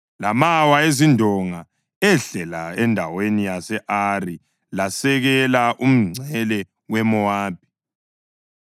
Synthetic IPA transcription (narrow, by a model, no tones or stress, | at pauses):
lamawaezindʱɔŋa | ɛɬɛlaɛndʱawenijasɛʔari | lasɛɣɛlaʔum̩ŋ͡ǀʱɛlɛ | wɛmɔaːb̥̚ʱi̥